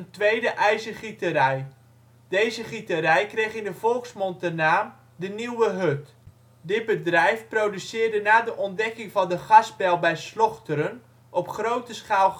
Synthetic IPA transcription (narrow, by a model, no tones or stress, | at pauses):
əntʋejdəʔɛjzəχitəɾɛj | dejzəχitəɾɛjkrejχɪndəvɔlˠksmɔntənaːm | dəniwəɦøt | dɪt̚bədrɛjfprowdysɪːrdənaːdəʔɔndɛkɪŋvɑndəχɑsbɛlˠbɛjslɔχtəɾən | ʔɔpχrowtəsχaːlˠ